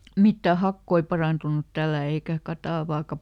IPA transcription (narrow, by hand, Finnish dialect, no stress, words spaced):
mitːæ hɑkːoi pɑrɑˑntunut tælːæˑ eikæ kɑtɑˑʋɑːkɑ